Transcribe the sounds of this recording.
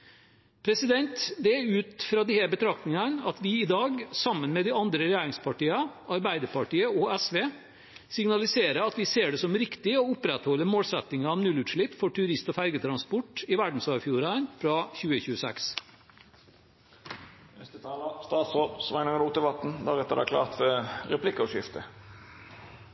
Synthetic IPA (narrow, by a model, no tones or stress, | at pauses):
pʰɾɛsɪd̪ɛnt̪d̪ɛʉːt̪fɾɑːd̪ɪheːbət̪ʰɾɑkt̪ɪŋɑnɑt̪ʋɪɪd̪ɑːɡsɑmːənmɛːd̪ɪɑnd̪ɾəɾɛjæːɾɪŋspʰɑʈiːɑɑɾbæɪd̪əpɑʈiːəɔæsʋeː | sɪŋnɑlɪseːɾəɑt̪ʋɪseːɖɛsɔmɾɪkt̪ɪoʊpɾɛt̪hɔlːəmoːlsɛt̪ɪŋɑɑʋnʉlʉːt̪ʂɭɪpːfɔʈʉɾɪst̪ɔfæɾɡət̪ʰɾɑnspɔʈɪʋæɖn̩sɑːɾfjuːɾɑnfɾɑçʉːəçʉːəsɛ̰ks | ɛst̪ət̪ʰɑːləst̪ɑːt̪sɔsʋæɪnəŋɾuːt̪əʋɑt̪n̩d̪æʁɛt̪ːəd̪æ̰kʰlɑ̰ːʁt̪fɔʁɛpʰlɪkːɔʃɪft̪ə